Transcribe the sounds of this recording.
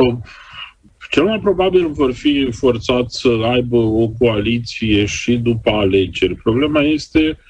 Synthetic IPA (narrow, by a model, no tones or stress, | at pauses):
ə | t͡ʃe̞lmajpɾo̞babilvo̞rfifo̞rt̪sat̪ʲsəajbəo̞ko̞alit̪sije̞ʃid̪upəale̞d͡ʒe̞rʲpɾo̞ble̞maje̞st̪e̞